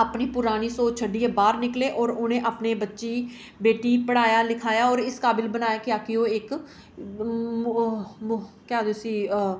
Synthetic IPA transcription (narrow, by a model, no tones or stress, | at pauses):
aːpniːpʊɾaːniːsoːt͡ʃʰəɖːiːeːbaːɾnɪkleːʔɔːɾʊnẽːʔaːpneːbətːʃiː | beːʈiːpəɽaːjaːlɪkʰaːjaːɔːɾɪskaːbɪlbənaːjaːkɪjaːkɪoːɪk | mkjaːd̪oːsiː